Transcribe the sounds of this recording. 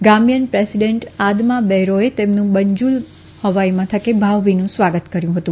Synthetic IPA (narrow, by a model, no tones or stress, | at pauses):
ɡamjənpɾesiɖeɳʈad̪mabɛɦɾoet̪emnũbəɲd͡ʒul | həʋaimãt̪ʰəkebʱaʋʋinũsʋaɡət̪kəɾjũɦət̪ũ